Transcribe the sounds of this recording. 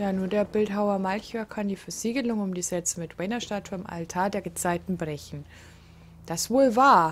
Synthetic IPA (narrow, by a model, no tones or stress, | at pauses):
jaːnuːɐdeːɐbɪltɦaʊɐmalçɛɐkʰandiːfɛɐziːɡəlʊŋʊmdiːz̥ɛt͡səmɪtwɛnɐʃtaːtʰuːɐɪmʔa̰ltʰaːɐdeːɐɡət͡saɪtn̩bʁɛçn̩ | d̥asv̥oːlvaːɐ